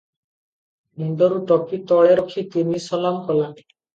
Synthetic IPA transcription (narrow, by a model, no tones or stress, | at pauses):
niɳɖɔɾuʈɔpit̪ɔɭeɾɔkʰit̪inisɔlamkɔla